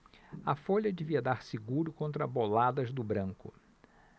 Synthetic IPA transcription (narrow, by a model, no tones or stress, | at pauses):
ɐfoʎɐd͡ʒɪviɐd̪aɾsɪɡuɾʊkõnt̪̬ɾɐbolad̪ɐzd̪ʊbɾɐ̃ŋkʊ̰